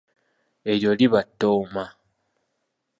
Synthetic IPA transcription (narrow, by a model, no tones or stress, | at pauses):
e̞ɾjo̞liβatːoːma